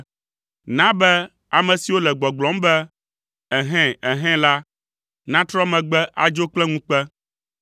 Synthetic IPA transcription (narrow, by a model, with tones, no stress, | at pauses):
nã˦bɛ˦ | a˨mɛ̃˨si˨wo˦lɛ˨ɡ͡bɔ˨ɡ͡blɔ̃˨˦mbɛ˦ | ɛ˨ɦɛ̃˦˨ɛ˨ɦɛ̃˦la˦ | nã˦t̪ɾɔ˦mɛ̃˨ɡ͡bɛ˦ʔa˨d͡ʒo˦k͡plɛ˦ŋũ˦k͡pɛ˦